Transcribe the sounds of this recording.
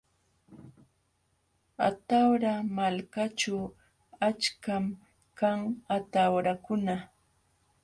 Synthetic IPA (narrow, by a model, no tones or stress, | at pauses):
at̪awɾamalkat͡ʃaw | at͡ʃkam | kaŋat̪awɾakʊna